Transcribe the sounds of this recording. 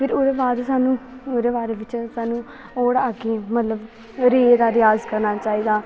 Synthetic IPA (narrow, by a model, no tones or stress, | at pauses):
pʰɪɾoːd̪eːbaːd̪saːnũːoːd̪eːbaːɾeːʋɪt͡ʃsaːnũː | ɔːɽaːɡeːmət̪ləb | ɾeːd̪aːɾɪjaːzkəɾnaːt͡ʃaːiːd̪aː